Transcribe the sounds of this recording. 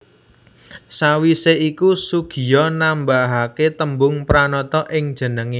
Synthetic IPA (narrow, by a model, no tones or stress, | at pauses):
sawiseʔikusuɡ̥i̤jɔnambaɦaket̪əmbʊŋpɾanɔt̪ɔʔɪŋd̥ʒ̥ə̤nəŋi